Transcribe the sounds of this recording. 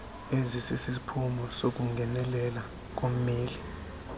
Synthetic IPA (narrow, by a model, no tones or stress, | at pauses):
ezisisis̬i̥pʰumɔsok̬uŋɡʱɛnɛlɛla | k̬om̩meːli